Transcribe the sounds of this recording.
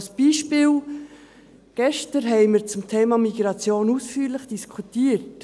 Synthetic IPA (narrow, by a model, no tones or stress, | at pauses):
sb̥iːʃpɪːl | ɡ̥ɛʃtəɾɦɛɪməɾt͡sʊmt̪ʰeːmɑmiɡ̥ɾɑt͡sjoːnusfyːɾlɪχd̥iskʰutiːəɾt